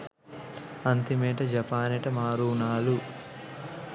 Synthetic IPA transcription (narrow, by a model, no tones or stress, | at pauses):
ɐnt̪imeːʈɐd͡ʒɐpaːneʈɐmaːɾuːnaːlu